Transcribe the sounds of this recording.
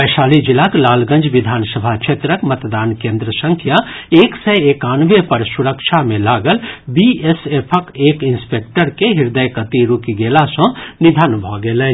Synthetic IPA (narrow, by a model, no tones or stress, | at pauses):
əjʃaːlid͡ʒilaklaːlɡə̃nd͡ʒʋid̪ʱaːnsəbʱat͡ʃʰet̪ɾəkmət̪d̪aːnkẽːnd̪ɾəsə̃ŋkʰjaeːksɛekaːnʋepəɾsuɾəkʃʰamẽlaːɡəlbiesepʰəkeːkinspek̚ʈəɾkeɦiɾd̪əjkət̪iɾukiɡelasə̃nid̪ʱənbʱɔɡeːlə